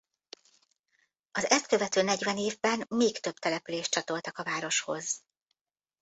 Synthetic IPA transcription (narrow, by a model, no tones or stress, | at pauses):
ɒzɛst̪̚kø̞vɛt̪øːnɛɟvɛneːvbɛnmeːkt̪øb̚t̪ɛlɛpyleːʃtt͡ʃɒt̪o̞lt̪ɒkɒvaːɾo̞ʃho̞̰z